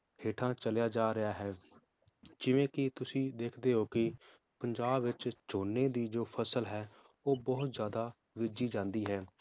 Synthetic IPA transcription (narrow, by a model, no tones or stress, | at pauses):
heːʈʰãːt͡ʃəljaːd͡ʒaːɾɪjaːɦɛː | d͡ʒɪʋẽːkɪt̪ʊsĩːd̪eːkʰd̪eːɦoːkɪ | pəɲd͡ʒaːbʋɪt͡ʃt͡ʃoːnːeːd̪iːd͡ʒoːpʰəsəlɦɛː | oːbɔːʊt̪zjaːd̪aː | ʋɪd͡ʒiːd͡ʒãːnd̪iːɦɛː